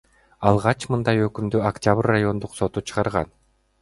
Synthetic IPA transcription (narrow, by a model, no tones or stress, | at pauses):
ɑlˠʁɑt͡ʃmɯnd̪ɑjø̞kymd̪yakt̪ʲaβrːajo̞nd̪uqso̞t̪ut͡ʃʰɯ̥ʁɑɾʁɑ̰n